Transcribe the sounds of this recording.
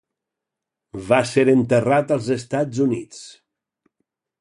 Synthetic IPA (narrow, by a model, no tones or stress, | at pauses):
βaseɾənt̪ərat̪əlˠzəst̪azunit͡s